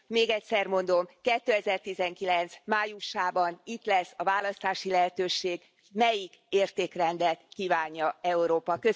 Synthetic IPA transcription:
meːɡɛcʲsɛrmo̞nd̪o̞mkɛt̪ːøːɛzɛrt̪izɛŋkilɛnt̪smaːjuʃaːbɒnit̪lɛsːɒvaːlɒst̪aːʃilɛɦɛt̪øːʃeːɡ | mɛjik | eːrt̪eːkrɛnd̪ɛlt̪kiːvaːɲːɒɛuɾoːpɒkø

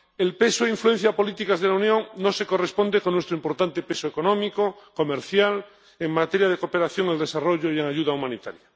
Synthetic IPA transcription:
elpe̞soeiɱflue̞n̟θjapo̞lit̪ikazð̞elaunjõ̞ŋnoseko̞respo̞nd̪ekonːwest̪ɾoimpo̞ɾt̪ant̪epesoeko̞nõmikoko̞meɾθjal | eŋmat̪eɾjað̞ekopeɾaθjo̞ŋeld̪e̞saro̞ʎoieŋaʝuðaumãnit̪aɾja

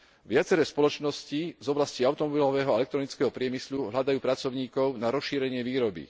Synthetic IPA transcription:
ʋɪat͡sɛɾɛːspɔlɔt͡ʃnɔscizɔblasciaʊt̪ɔmɔbilɔʋɛːɦɔaɛlɛkt̪ɾɔnit͡skɛːɦɔpɾɪɛmisluɦlad̪ajuːpɾat͡sɔʊɲiːkɔʊnaɾɔsʃiːɾɛɲɪɛʋiːɾɔbḭ

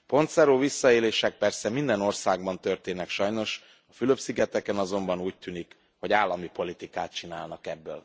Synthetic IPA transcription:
po̞nt̪sɛɾoːvisːɒeːleːʃɛk̚pɛrsɛmind̪ɛno̞rsaːɡ̚bɒnt̪ø̞rt̪eːnɛkʃɒjno̞ʃ | ɒfyløpsiɡɛt̪ɛkɛnɒzo̞mbɒnuːc̚t̪ynik | ho̞ɟaːlːɒmipo̞lit̪ikaːt̪̚t͡ʃinaːlnɒkɛbːø̰ːl

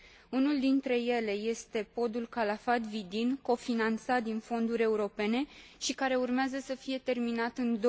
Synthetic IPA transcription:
unuld̪int̪ɾe̞je̞le̞je̞st̪e̞po̞d̪ulkalafat̪vid̪inko̞finant̪sat̪̚d̪info̞nd̪uɾʲe̞uɾo̞pe̞ne̞ʃikaɾe̞urmeazəsəfije̞t̪e̞rminat̪ɨnd̪o

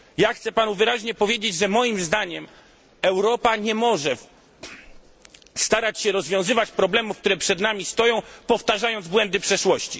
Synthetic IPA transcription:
jaxt̪sɛpanuvɘɾaʑɲɛpɔvʲjed͡ʑed͡ʑʐɛmɔjimzd̪aɲɛm | ɛwɾɔpaɲɛmɔʐɛ | st̪aɾat͡ɕɕɛɾɔzvʲjɔ̃w̃zɘvat͡ɕpɾɔblɛmufk̚t̪uɾɛpʂɛd̪namʲist̪ɔjɔ̃w̃pɔft̪aʐajɔnd̪zbwɛnd̪ɘpʂɛʂwɔɕt͡ɕi

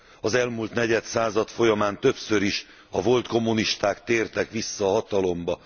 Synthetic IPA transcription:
ɒzɛlmult̪nɛɟɛt̪saːzɒt̪fo̞jɒmaːnt̪ø̞psøɾiʃ | ɒvo̞lt̪ko̞mːuniʃt̪aːkt̪eːrt̪ɛkʋisːɒːɦɒt̪ɒlo̞mbɒ

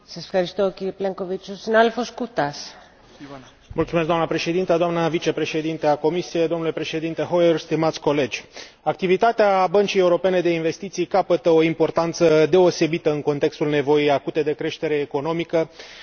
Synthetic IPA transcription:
sɐsefxɐɾist̪ociɾepleŋkovit͡ʃosinaðelfoskut̪ɐs | mult̪sumesɡd̪oamnəpɾe̞ʃe̞d̪int̪əd̪oamnəvit͡ʃe̞pɾe̞ʃe̞d̪int̪e̞ako̞misijed̪onule̞pɾe̞ʃe̞d̪int̪e̞ɦo̞jerst̪imat̪sʲko̞le̞d͡ʒʲ | ak̚t̪ivit̪at̪eabənt͡ʃijeuɾo̞pe̞ne̞d̪e̞inve̞st̪it̪sijkapət̪əo̞impo̞rt̪ant̪səd̪e̞o̞se̞bit̪əɨŋko̞nt̪e̞kst̪ulne̞vo̞jijakut̪e̞d̪e̞kɾe̞ʃt̪e̞ɾe̞ːko̞no̞mikə

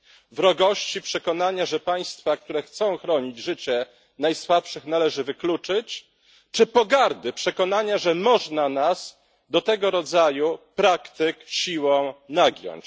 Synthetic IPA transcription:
vɾɔɡɔɕt͡ɕipʂɛkɔnaɲaʐɛpaj̃st̪fakt̪uɾɛxt̪sɔ̃w̃xɾɔɲid͡ʑʐɘt͡ɕɛ | najswapʂɘxnalɛʐɘvɘklut͡ʂɘt͡ɕ | t͡ʂɘpɔɡaɾd̪ɘpʂɛkɔnaɲaʐɛmɔʐnanas | d̪ɔt̪ɛɡɔɾɔd̪zajupɾakt̪ɘkɕiwɔ̃w̃naɡʲjɔ̰ɲt͡ɕ

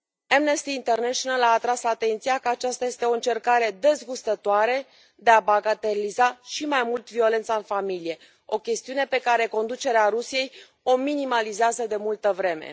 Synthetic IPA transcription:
amnest̪iːnt̪e̞rneʃonalaːt̪ɾasat̪e̞nt̪sijakəat͡ʃast̪aje̞st̪e̞o̞ɨnt͡ʃe̞rkaɾe̞d̪e̞zɡust̪ət̪oaɾe | d̪e̞abaɡat̪eɾilizaʃimajmult̪vio̞le̞nt̪saɨnfamilije̞ | o̞kʲe̞st̪iune̞pe̞kaɾe̞ko̞nd̪ut͡ʃe̞ɾeaɾusije̞j | o̞minimalizeazəd̪e̞mult̪əvɾe̞me̞̰

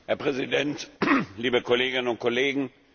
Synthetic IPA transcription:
hɛɐpʁ̥ɛzidɛntliːbəkʰɔleːɡɪnənʊnt̚kʰɔleːɡŋ̩

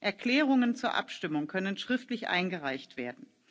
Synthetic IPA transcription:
ʔɛɐkl̥ɛːʁʊŋənt͡suːɐʔa̰pʃtɪmʊŋkʰœnənʃʁ̥ɪftlɪçʔa̰ɪnɡəʁaɪçtv̥eːɐdn̩

